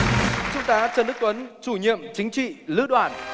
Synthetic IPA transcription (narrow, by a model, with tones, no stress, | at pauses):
t͡ɕʊ˨˧˥t̪aː˨˦t͡ɕəː˧nɗk̚t̪wə˨˦nt͡ɕu˧˩ɲḭ˧˨əmt͡ɕï˨˦ŋ̟t͡ɕḭ˧˨lɨ̰˧˥ɗwaː˧˩n